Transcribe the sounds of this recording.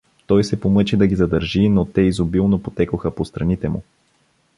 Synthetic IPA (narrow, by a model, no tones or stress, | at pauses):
t̪ɔjsɛpomɤt͡ʃɛd̪ɐɡʲizɐd̪əɾʒinot̪ɛizobilˠnopot̪ɛkoxəpost̪ɾɐnit̪ɛmṵ